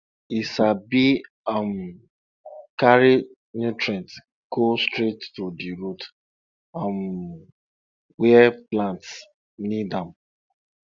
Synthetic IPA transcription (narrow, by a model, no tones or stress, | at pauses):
isabi | am | kaɾi | nutɾɛ̃nt | ɡ̥ostɾetːudiɾut | am | wɛɛplãnts | nidam̩